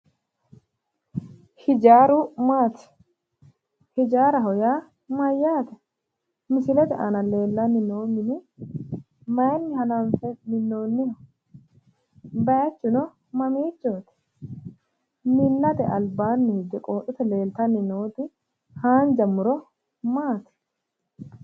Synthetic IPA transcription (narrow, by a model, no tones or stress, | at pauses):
hɪd͡ʒaːɾʊmaːt̪ɛ̥ | hɪd͡ʒaːɾɐɦɔjaː | mɐjːaːt̪ɛ | mɪsɪlɛt̪ɛʔɐnɐle̞ːlːɐnːɪnoːmɪnɪ | mɐjnːɪhɐnɐɱfɛmɪnːoːnːɪhɐ | bɐjɐt͡ʃːʊnɔ | mɐmiːt͡ʃːoːt̪ɛ̥ | mɪnːɐt̪ɛʔɐlbaːnːɪhɪd͡ʒ̪ɪkʼoːtːʊt̪ɛle̞ːlt̪ɐnːɪnoːt̪ɪ | haːnd͡ʒɐmːʊɾɔ | maːt̪ɪ̥